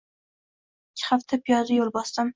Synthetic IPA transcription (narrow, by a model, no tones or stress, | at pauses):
ɪkʲʰːɪ̥χaft̪ʰapʰjɒzɪjolˠbɒst̪ɪm